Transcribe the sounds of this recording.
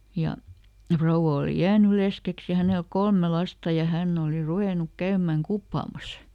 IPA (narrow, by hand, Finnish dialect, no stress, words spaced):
jɑ frouwɑ oˑli jæːny leskeks jɑ hænel kolme lɑstɑ jɑ hænː oˑli ruʋeˑnuk kæymæŋ kupːɑˑmɑs